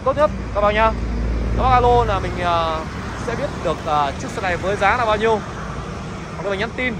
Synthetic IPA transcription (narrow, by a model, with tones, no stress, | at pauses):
t̪o˦˥t̚ɲ˦˥t̚ka˧wɓa̰ː˧˨ɲaː˧ka˧˩ɓa˧˨ʔa˧lo˧naː˨˩mï˨˩ŋ̟ʔəː˨˩ | sɛ̰˧˥ɓi˦˥ət̚ɗɨ˨˩ək̚ʔəː˨˩t͡ɕɨ˦˥əksa˧˥na˨˩jvəː˨˦jzaː˨˦naː˨˩wɓaː˧wɲi˧əw | a˨˧m˨˩˧a˧˥nt̪i˧n